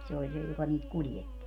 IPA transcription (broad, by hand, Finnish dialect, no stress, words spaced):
se olʲ se jokɑ niːt kuljetːi